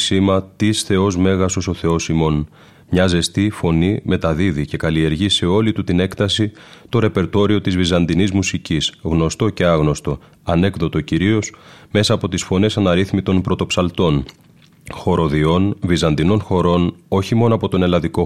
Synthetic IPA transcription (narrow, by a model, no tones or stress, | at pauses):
simɐt̪isθe̞o̞zme̞ɣɐsoso̞θe̞o̞simo̞n | mɲɐze̞st̪ifo̞nime̞t̪ɐðiðice̞kɐlie̞ɾʝise̞o̞lit̪ut̪ine̞kt̪ɐsit̪o̞ɾe̞pe̞ɾt̪o̞ɾio̞t̪izvizɐnd̪inizmusicisɣno̞st̪o̞ce̞ɐɣno̞st̪o̞ | ɐne̞kðo̞t̪o̞ciɾio̞sme̞sɐːpo̞t̪isfo̞ne̞sɐnɐɾiθmit̪o̞npɾo̞t̪o̞psɐlt̪o̞n | xo̞ɾo̞ðio̞nvizɐnd̪ino̞nxo̞ɾo̞no̞çimo̞noɐpo̞t̪o̞ne̞lɐðiko̞